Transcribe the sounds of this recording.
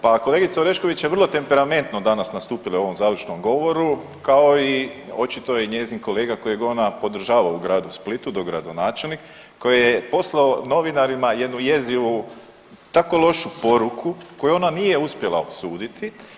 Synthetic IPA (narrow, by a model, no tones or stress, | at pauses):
pako̞le̞ːɡit̪saoɾe̞ʃko̞ʋit͡ɕjeʋər̩lˠo̞t̪e̞mpe̞ɾame̞nt̪nod̪anasnast̪uːpilao̞ʋo̞mzaːd̪lit͡ʃno̞mɡo̞ʋo̞ɾu | kao̞io̞t͡ʃit̪o̞jeɲeːzinko̞le̞ːɡako̞jeɡonapo̞d̪r̩ʒaːʋaouɡɾaːd̪usplit̪ud̪o̞ɡɾa̰d̪o̞naːt͡ʃe̞lˠnik | kːo̞jejepo̞slaono̞ʋinaɾimaje̞d̪nuje̞ziʋu | t̪ako̞lˠo̞ʃupo̞ɾukʰuko̞juonanije̞uspje̞lˠa̰o̰suːd̪it̪ʰi